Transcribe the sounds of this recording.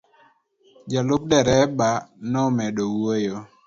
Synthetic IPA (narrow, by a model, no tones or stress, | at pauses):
d͡ʒalʊp̚dɛɾɛbanɔmɛdowojo